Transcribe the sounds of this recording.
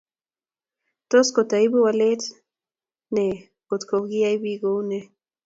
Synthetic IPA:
t̪oskot̪aibiwalet͡ɬ | ne | kot̪koɣiaiβiɡoune

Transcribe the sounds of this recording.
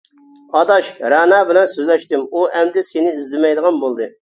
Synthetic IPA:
ɑd̪ɑʃɾɑːnɑːbɪlɛnsøzlɛʃt̪ɪmuʔɛmd̪ɪsenɪizd̪ɪmɛjd̪əʁɑnbolˠd̪ɨ

